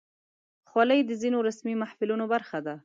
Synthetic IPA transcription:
xwaləjd̪əzinoɾasmimahfɪlunobaɾxad̪a

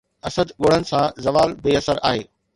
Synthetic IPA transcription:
ɐsəd̪ɠoːɽ̤ənɪ̆sãzɐʋaːlbeːɐsəɾa̰ːɦeː

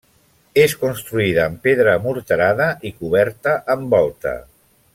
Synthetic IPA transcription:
eskunst̪ɾuiðəːmpeðɾəmuɾt̪əɾaðəʔikuβ̞ɛɾt̪əʔəmbɔlˠt̪ə̰

